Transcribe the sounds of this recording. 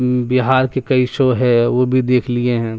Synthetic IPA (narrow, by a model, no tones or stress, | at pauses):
bɪɦaːɾkekɐiʃoɦɛʋobʱid̪eːkʰlieɦɛ̃ː